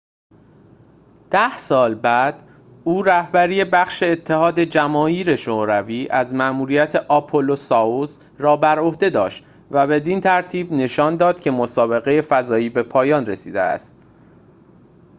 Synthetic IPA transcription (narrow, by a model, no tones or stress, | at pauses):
d̪̥æhsɒːlbæd̪̥ | uːɾæhbæɾiːje̞bæχʃe̞ːt̪ʰːe̞ɦɒːd̪e̞d͡ʒæmɒːiːɾe̞ʃoɾæviːʔæzmæʔmuːɾijæt̪ʰe̞ʔɒpʰolosɒoz | rɒːbæɾo̞hd̪e̞d̪ɒ̰ːʃt̪ | væbe̞d̪int̪ʰæɾt̪ʰiːbne̞ʃɒːnd̪ɒːd̪̥cʰe̞mosɒːbe̞ɣe̞je̞fæzɒːiːbe̞pʰɒːjɒːnresiːd̪ḛæ̰st̪̚